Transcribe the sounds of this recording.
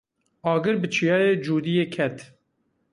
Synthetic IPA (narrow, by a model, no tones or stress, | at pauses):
ɑːɡɨɾbɨt͡ʃʰijɑːjeːd͡ʒuːd̪ijeːkʰɛt̪